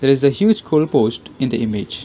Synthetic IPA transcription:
d̪eːɾɪzəhjuːd͡ʒkʰoːlpoːsʈɪ̃nd̪əʔɪmɪd͡ʒ

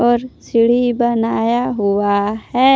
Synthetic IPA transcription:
ɔːɾsɪɽ̤ibənaːjaɦuwahɛ

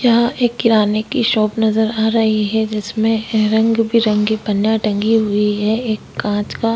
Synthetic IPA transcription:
jaeːkːɪɾaːnekiʃɔːpnɐzəɾaːɾɐɦiɦɛd͡ʒɪsmẽɾɐ̃ŋɡbʱiɾɐ̃ŋɡibɐnjaʈɐ̃ŋɡiɦʊiɦɛeːkːãːt͡ʃka

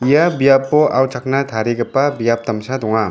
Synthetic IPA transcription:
ijabijapːɔʔawt͡ʃʰak̚nat̪ʰaɾiɡapːabijap̚tamsadɔŋa

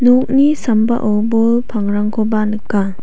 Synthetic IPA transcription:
nɔk̚nisamba̰ʔowbɔlpʰaŋɾaŋkʰɔbanɯkːa

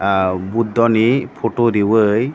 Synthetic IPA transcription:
bud̪ːɔnipʰoʈoɾiwɯj

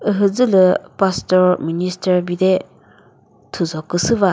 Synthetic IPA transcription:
ɯɦɯzɯlɯpastɔɾministɐɾbide | tʰuzɔkːɯsɯβa

